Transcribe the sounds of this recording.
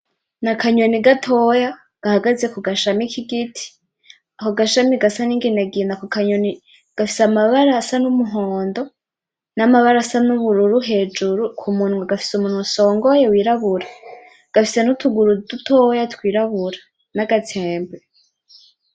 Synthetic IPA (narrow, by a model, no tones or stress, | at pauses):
nakaɲo̞niɡatʰo̞ja | ɡ̥ahaɡaze̞kuɡaʃamikiɡitʰi̥ | akoɡaʃamiɡasaniːŋɡinaɡinakukaɲoni | ɡ̥afi̥samaβaɾasanumuɦoːndo̞ | namaβaɾasanuβuɾuɾuɦe̞ːd͡ʒuɾukʰumuːnŋuaɡafi̥sumuːn̥huso̞ːŋɡojewiːɾaβuɾa | ɡ̥afise̞nutuɡuɾututʰojatwiːɾaβuɾḁ | naɡatʰeːmbe